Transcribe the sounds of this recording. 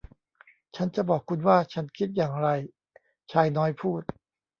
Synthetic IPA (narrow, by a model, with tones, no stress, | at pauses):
t͡ɕʰa˦˥nt͡ɕa˨˩bɔː˨˩kʰːu˧nwaː˥˩t͡ɕʰa˦˥nkʰi˦˥t̪̚jaː˨˩ŋɾa˧j | t͡ɕʰaː˧jnɔː˦˥jpʰuː˥˩t̪̚